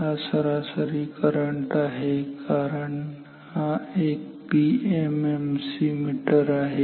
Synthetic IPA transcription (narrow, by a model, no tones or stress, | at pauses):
asəɾasəɾikəɾəɳʈaɦekʰaɾəɳ | hãek̚ | piememsimiʈəɾaɦe